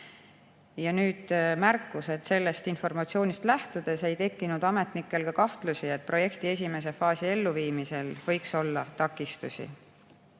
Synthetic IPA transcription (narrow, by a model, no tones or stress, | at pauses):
jɑnyːd̪̥mæɾkːˑuse̞d̪̥se̞lːe̞st̪info̞rmɑt̪sio̞ːnist̪læht̪ud̪̥e̞se̞jt̪e̞kːinud̪̥ɑme̞t̪ˑnikːˑe̞lɡ̥ɑkɑht̪lusiet̪̚pro̞je̞kt̪ie̞s̬ʲime̞s̬e̞fɑːsie̞lːuviːmise̞lvɤ̞jkso̞lːɑt̪ɑkːˑist̪usʲḭ